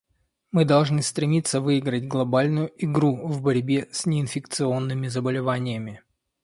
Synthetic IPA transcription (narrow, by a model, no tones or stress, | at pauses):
mɨd̪ɐlˠʐnɨst̪ɾʲɪmʲit̪səvɨɪɡɾətʲɡlˠɐbalʲnʊjʊʔɪɡɾuvbɐɾʲbʲesʲnʲɪɪnfʲɪkt̪sɨonːɨmʲɪzəbəlʲɪvanʲɪjəmʲɪ